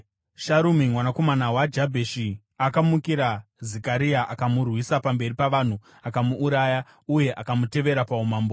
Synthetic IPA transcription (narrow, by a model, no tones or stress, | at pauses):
ʃaɾumimwanako̞manawad͡ʒabʱeʃi | akamukiɾazekaɾiaʔakamurwisapambe̞ripaʋan̤u | akamuʔːɾaja | uje̞ʔakamute̞ʋe̞ɾapaumaːmbo